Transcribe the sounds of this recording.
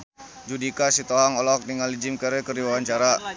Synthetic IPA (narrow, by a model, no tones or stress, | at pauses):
d͡ʒudikasit̪oaŋɔlɔk̚niŋalid͡ʒimkəɾɛkərdiwawaɲt͡ʃaɾa